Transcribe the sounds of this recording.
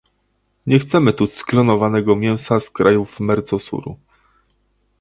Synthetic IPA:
ɲɛxt̪sɛmɘt̪usklɔnɔvanɛɡɔmʲjɛw̃saskɾajuvmɛɾt̪sɔsṵɾṵ

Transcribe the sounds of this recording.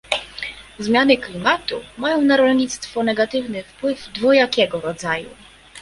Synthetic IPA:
zmʲjanɘklʲimat̪umajɔ̃w̃naɾɔlɲit̪st̪fɔnɛɡat̪ɘvnɘfpwɘvd̪vɔjakʲɛɡɔɾɔd̪zajṵ

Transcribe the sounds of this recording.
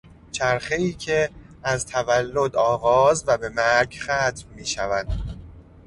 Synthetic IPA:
t͡ʃʰæɾxe̞iːcʰe̞ | æzt̪ʰævælːo̞d̪ɒːɣɒːzvæbe̞mæɾɡxæːt̪ʰmːiːʃævænd̪̥

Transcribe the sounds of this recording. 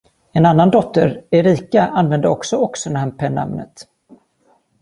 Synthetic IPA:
ɛnanːand̪ɔt̪ːəɾɛɾiːkaʔanvɛnd̪əɔksɔɔksənæhanpʰɛːna̰mnə̰t̪

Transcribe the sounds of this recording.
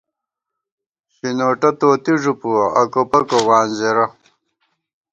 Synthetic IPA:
ɕinoːʈɐt̪oːt̪iʐupuɐkopɐkowaːnzeɾɐ

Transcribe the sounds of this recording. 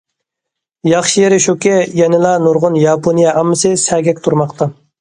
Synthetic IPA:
jɑχʃijeɾɪʃukʲɛjɛnɪlˠɑnuɾʁʊnjɑːpʰonijɛʔɑmːɨsɨsæɡʲɛk̚ʲt̪ʰuɾmɑqt̪ʰɑ

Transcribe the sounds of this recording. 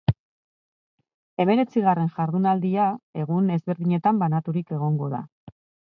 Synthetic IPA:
e̞me̞ɾe̞t͡siɣ̞are̞nʝaɾðunald̪iae̞ɣ̞une̞zβe̞ɾðiɲe̞t̪ambanat̪uɾike̞ɣ̞o̞ŋɡo̞ða̰

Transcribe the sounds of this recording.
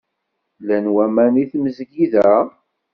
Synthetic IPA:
lænwæmæniθməzɡiðæ

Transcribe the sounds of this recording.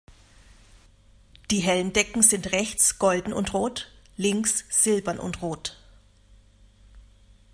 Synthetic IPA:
d̥iːɦɛlndɛkŋ̩zɪntʁɛçt͡sɡ̥ɔldn̩ʊ̰ntʁoːtlɪŋksz̥ɪlbɐnʔʊ̰ntʁoːt

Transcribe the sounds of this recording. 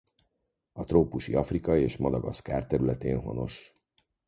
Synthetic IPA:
ɒt̪roːpuʃḭɒfrikɒeːʃmɒd̪ɒɡɒskaːrt̪ɛɾylɛt̪eːnɦo̞̰no̞̰ʃ

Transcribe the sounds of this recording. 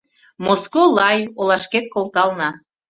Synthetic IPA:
moskolɑjolɑʃket̪̚kolˠt̪ɑlnɑ

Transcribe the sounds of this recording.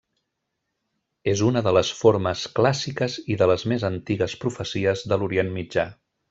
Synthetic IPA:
ezunəðələsfoɾməsklasikəziðələzmezənt̪iɣəspɾufəsiəzðəluɾienmid͡ʒa

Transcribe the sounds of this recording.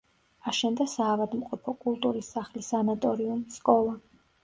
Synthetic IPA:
aʃɛnd̪asaːvad̪mqʼɔpʰɔkʼulˠt̪ʼuɾisːaχlisanat̪ʼɔɾiumskʼɔlˠa

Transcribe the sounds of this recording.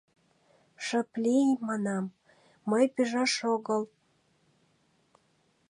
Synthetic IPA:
ʃə̆plʲijmɑnɑmː | əjpiʒɑʃoɣəl

